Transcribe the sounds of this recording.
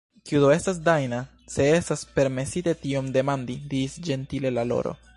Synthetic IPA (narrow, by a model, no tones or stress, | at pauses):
kiud̪oe̞stas̬dajna | se̞e̞staspe̞ɾme̞sitetio̞mde̞mandidisd͡ʒe̞ntile̞lalo̞̰ɾo̞̰